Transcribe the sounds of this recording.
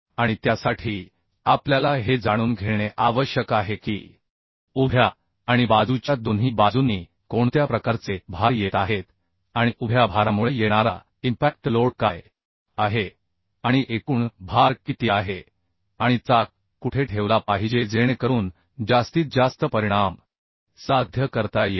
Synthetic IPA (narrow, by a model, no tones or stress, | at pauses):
aɽ̃it̪jasaʈʰiː | apljalaɦed͡zaɽ̃uːnɡʱeɽ̃eʔaʋəɕjəkaɦekḭː | ubʱjaː | ɽ̃ibad͡zut͡ɕjad̪onɦiːbad͡zuniː | koɳt̪japɾəkaɾt͡sebʱaɾjet̪aɦet̪ | aɽ̃iʔubʱjabʱaɾamuɭejeɽ̃aɾa̰ | impæk̚ʈloɽkaj | aɦe | aɽ̃iʔekuːɳbʱaɾkit̪jeaɦe | aɽ̃it͡sa | kuʈʰeʈʰeʋlapaɦid͡ʑed͡zeɽ̃ekəɾuːn | d͡zast̪iːt͡s̚d͡zast̪əpəɾiɽ̃am | sad̪ʱjəkəɾt̪aje